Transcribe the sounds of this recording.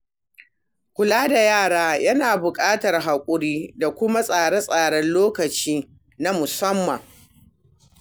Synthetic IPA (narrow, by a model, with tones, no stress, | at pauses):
kʷʊ˨laː˦da˨jaː˦˨ɽaː˦jɐ˦naː˨bʊ˨kʼaː˦tɐ˨rɦa˨kʷʼʊ˦ɽiː˦da˨kʷʊ˦ma˦sʼaː˨ɽɛ˦sʼaː˨ɽɐ˦nloː˦kɐ˨t͡ʃiː˦ | na˦mʊ˨sɐ˦mːɐ˨ŋ